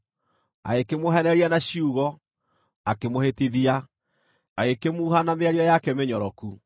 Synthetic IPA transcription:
a̰ekemoɦɛnɛɾianaɕiuɣɔ | akemohetiðia | aekemuːɦanameaɾiɔjakɛmeɲɔɾɔku

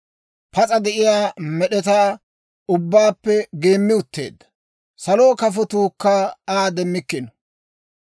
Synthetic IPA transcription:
pɐt͡sʼɐd̪ɛʔɪjaːmɛɗɛt̪aː | ʊbːaːpːɛɡe̞ːmːɪʊt̪ːe̞̰ːd̪ːɐ̥ | sɐloːkɐfɔt̪uːkːaaːd̪ɛmːɪkːɪnɔ

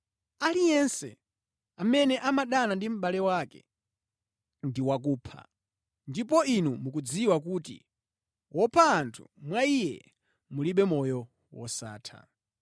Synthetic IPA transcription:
alijɛnsɛ̰ | amɛnɛʔamaɗanandim̩ɓalɛwakɛ̰ | ndiwak̬uːpʰa̰ | ndipɔinumuk̬ud͡ziwakuːtḭ | wʔɔpʰaːntʰṵmwaijɛ̰ | muliɓɛmɔjɔ | wɔ̰sa̰ːtʰa̰

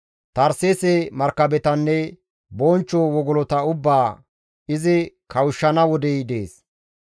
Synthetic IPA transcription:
t̪ɐɾseːsemɐɾkːɐbɛt̪ɐnːɛ | bɔnt͡ʃːɔwɔɡɔlɔt̪ɐʊbːaː | ɪzɪ | kʰɐwʊʃːɐnɐwɔd̪ɛjd̪eːs

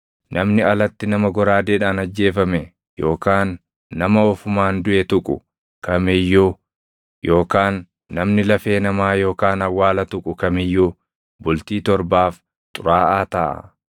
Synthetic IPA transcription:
nʔɐmnɪɐlɐt̪ːɪnɐmɐɡɔɾaːd̪eːᶑaːnɐd͡ʒːe̞ːfɐmɛ | jo̞ːkaːnː | ɐmɐɔfʊmaːnd̪ʊʔɛt̪ʊkʼʊ̰ | kɐmɪjːu | jo̞ːkaːnː | ɐmnɪlɐfe̞ːnɐmaːjo̞ːkaːnɐwːaːlɐt̪ʊkʼʊkɐmɪjːu | bʊlt̪iːt̪ɔɾbaːf | t̪ʼʊɾaːʔaːt̪ɐʔɐ̰

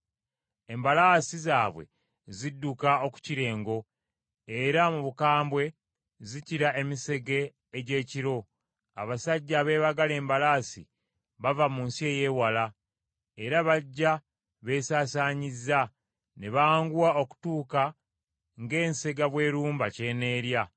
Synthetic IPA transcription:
e̞mbalaːsizaːβwe̞̰ | zidːukao̞ku̥ciɾe̞ːŋɡo̞ | eɾamuβukaːmbwe̞ | ziciɾae̞mise̞ɡe̞ː | ɟe̞ːciɾo̞ | a̰βasaɟːaβe̞ːβaɡale̞ːmbalaːsḭ | βavamunsie̞ːje̞ːwala | e̞ɾaβaɟːa | βe̞ːsaːsaːɲiza | ne̞βaːŋɡuwao̞ku̥tuːka | ŋɡe̞ːnse̞ɡaβwe̞ːɾuːmbace̞ːne̞ːɾja

